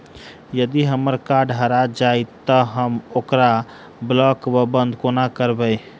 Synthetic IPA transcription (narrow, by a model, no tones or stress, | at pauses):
jəd̪iɦəməɾkaɾɖɦəɾad͡ʒajt̪əɦəmokɾa | blɔkbəbənd̪ʱkonakəɾbəj